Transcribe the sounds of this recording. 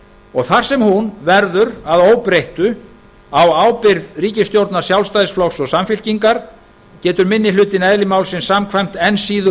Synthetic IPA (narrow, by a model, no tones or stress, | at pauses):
ɔɣθar̥sɛmhunvɛɾðʏɾaðoːwpɾejht̪ʏ | awaːwpɪɾðriːcɪst̪jowɾt̪naɾ̥sjawlst̪ajðsflɔxsɔɣsamfɪl̥ciŋkaɾ̥ | cɛːt̪ʏɾmɪnːɪlʏːt̪ɪnɛðlɪmaːwlsɪnsamkʰvajm̥t̪ɛnsiːðʏ